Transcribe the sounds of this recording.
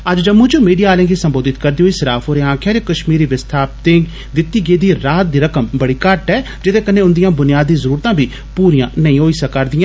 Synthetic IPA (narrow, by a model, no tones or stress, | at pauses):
əd͡ʒd͡ʒəmːʊ̃d͡ʒuːmiːɖijaːaːlẽːɡ̪iːsəmboːd̪ɪt̪kəɾd̪iːɦoːiːsɪɾaːfoːɾẽːãːkʰjaːɾekəʃmiːɾiːʋɪst̪ʰaːp̚t̪ẽːɡ | d̪ɪt̪ːiːɡeːd̪iːɾaːt̪̚d̪iːɾəkəmbəɽiːkəɾʈɦɛː | d͡ʒɪt̪eːkənːeːʊnd̪ɪijãːbʊnɪjaːd̪ːiːzəɾuːɾt̪ãːbʱiː | puːɾijãːnəĩːɦoːiːsəkːaɾd̪ɪjãː